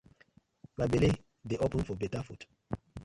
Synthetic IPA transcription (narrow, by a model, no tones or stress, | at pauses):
mabele | deʔopə̃nfɔbɛtafut